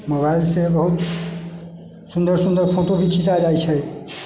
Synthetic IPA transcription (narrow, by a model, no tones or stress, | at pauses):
mobailsebəɦut̪ | sund̪əɾsũnd̪əɾpʰoʈobʱit͡ʃʰit͡ʃad͡ʒajt͡ʃʰə